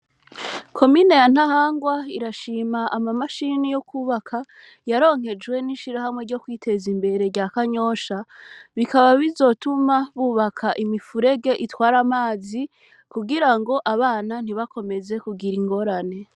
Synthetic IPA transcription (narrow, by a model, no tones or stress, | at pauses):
kʰo̞mine̞jan̥ahaːŋɡwaiɾaʃiːmaʔamamaʃinijo̞kuːβakʰa | jaɾo̞ːŋ̥he̞d͡ʒɡwe̞niʃiɾaɦamŋe̞ɾɟo̞kwiːtʰe̞zimbe̞ɾe̞ɾɟakaɲo̞ːʃaβikaβaβizo̞tumaβuːβakʰaʔimifuɾe̞ɡe̞ʔitwaːɾamaːzi | kuɡiɾaŋɡo̞ʔaβaːnan̥iβako̞me̞ze̞kuɡiɾiŋɡo̞ɾane̞